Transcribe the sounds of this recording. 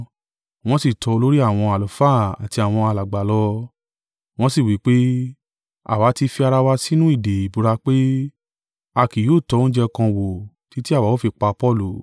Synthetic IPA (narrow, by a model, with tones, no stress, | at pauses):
w̃ɔ̃˦si˦˨tɔ˧lo˦ɾi˦a˦˨w̃ɔ̃˧a˨lɔ˨˦fa˦˨a˨ti˧a˨w̃ɔ̃˧a˧la˨ɡ͡ba˨lɔ˧ | w̃ɔ̃˧˦si˦˨wi˨˦k͡pe˦ | a̰˨wa˨˦ti˧fi˧a˧ɾa˧wa˧si˦nũ˦i˦˨de˨i˨bu˧ɾa˧k͡pe˦ | a˧˨ki˨joː˦˨tɔ˧˦ũ˦d͡ʒɛ˧kã˧wo˨ | ti˨˦ti˦a˦˨wa˨˦wo˦fi˧k͡pa˧pɔ˦˨lu˨